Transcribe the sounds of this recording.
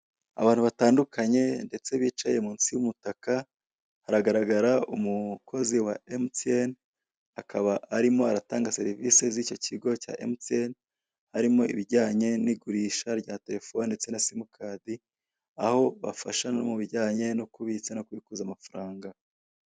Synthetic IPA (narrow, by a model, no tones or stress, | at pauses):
a̰βaːn̥huβataːndukʰaɲe̞nde̞t͡se̞βiːt͡ʃaje̞muːnt͡siwumutaka | haɾaɡaɾaɡaɾaumukʰo̞ziwaemten | akʰaβaʔaɾimo̞aɾataːŋɡase̞ɾiviːse̞ziːco̞cʰiɡo̞ca̰ʔḛmten | haɾimo̞ḭβiɾɟaːɲe̞niɡuɾiːʃaɾɟaːte̞ɾe̞fonndet͡senasimukʰaːdi | aho̞βa̰fa̰ʃanomuβiɾɟaːɲe̞no̞kuβit͡sano̞kwiːkuzamafaɾaːŋɡa